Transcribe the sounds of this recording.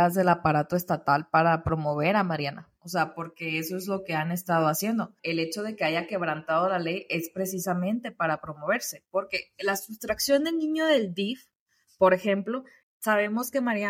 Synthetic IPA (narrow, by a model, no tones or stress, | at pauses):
azðe̞lapaɾat̪o̞e̞st̪at̪alpaɾapɾo̞mo̞β̞e̞ɾamaɾjana | oseapo̞ɾke̞eso̞ezlo̞ke̞ane̞st̪að̞o̞asje̞nd̪o̞e̞le̞t͡ʃo̞ð̞eke̞aʝake̞β̞ɾant̪að̞o̞lale̞je̞spɾe̞s̬isamẽ̞nt̪e̞paɾapɾo̞mo̞β̞e̞ɾse̞po̞ɾke̞lasust̪ɾaksjo̞nd̪elnĩɲo̞ðe̞ld̪if | po̞ɾe̞xe̞mplo̞ | saβ̞e̞mo̞ske̞maɾja